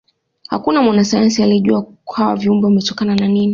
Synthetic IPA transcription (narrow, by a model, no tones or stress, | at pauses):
ha̰kunamwanasajansialiʄuakwawa̰viumbɔvamɛtɔkanananini